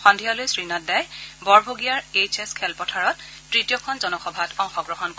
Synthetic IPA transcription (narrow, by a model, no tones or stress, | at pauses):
xɔndʱialojsɹinatdajbɔɹbʱoɡijaɹet͡ʃeskʰɛlpɔtʰaɹɔttːɹitijɔkʰɔnzɔnɔxɔbʱatɔŋxɔɡɹɔɦɔnk